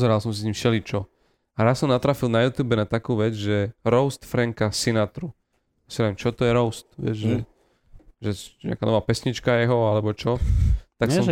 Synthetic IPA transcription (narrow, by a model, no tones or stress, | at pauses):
zɛɾalˠsɔmsisɲimʃɛlit͡ʃɔ | aɾassɔmnat̪ɾaːfilˠnajuːt̪juːbɛnat̪akuːʋɛd͡zʒɛɾɔʊst̪fɾɛŋkasinat̪ɾu | jasinaʋɛmt͡ʃɔt̪ɔjɛɾɔʊst̪ʋɪɛ̰d͡ʒʒɛ | ʒɛɲɛ̰akanɔʋaːpɛsɲit͡ʃkajɛɦɔalɛbɔt͡ʃɔt̪aksɔm